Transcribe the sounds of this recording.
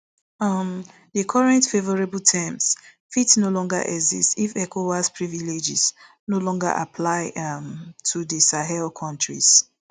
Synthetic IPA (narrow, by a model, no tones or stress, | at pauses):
ʌm | dəkʰɔɹɛ̃ntfevɔɹebltʰɛms | fitnolɔ̃ŋɡa̰ʔɛ̰ɡzḭstifɛkʰowaspʰɹiviled͡ʒiz | nolɔ̃ŋɡa̰ʔa̰pʰlaɪmtʰudisaɦɛlkʰɔ̃ntɹḭz̥